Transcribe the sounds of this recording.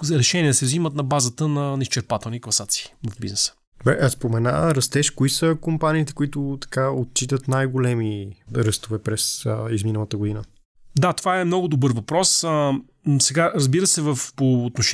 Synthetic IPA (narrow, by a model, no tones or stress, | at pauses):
zɾɛʃɛniɛsɛvzimət̪nɐbazət̪ənɐnist͡ʃɛɾpat̪ɛlˠnikvˠɐsat̪si̥ːvɐvbiznɛsə̥ | bɛʔspomɛna̰ɾɐst̪ɛʃkoisəkompaniːt̪ɛ̥koit̪ʊt̪ɐ̥kaot̪̚t͡ʃit̪ət̪najɡolɛmiɾɤst̪ovɛpɾɛsizminəlˠət̪əɡoʊd̪inə | d̪at̪ovaɛmnɔɡʊd̪obɤɾvɐpɾɔsə | sɛɡaɾɐzbiɾəsɛvəfpoːt̪noʃ